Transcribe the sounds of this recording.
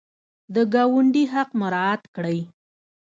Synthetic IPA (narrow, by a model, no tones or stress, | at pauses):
d̪əɡɑwʊɳɖiɦaqmʊɾɑat̪kɽəj